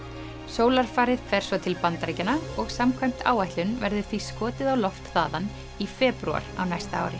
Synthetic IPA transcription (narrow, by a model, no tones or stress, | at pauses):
soːwlaɾ̥faːɾɪð̥fɛɾ̥svɔt̪ʰɪlpant̪ɾejcanaɔɣsamkʰvajm̥t̪a̰ːwajht̪ʏnvɛɾðʏ̥θviskɔːt̪ɪðawlɔft̪θa̰ːðan | ifɛːpɾua̰ɾa̰wnajst̪aa̰ːwɾɪ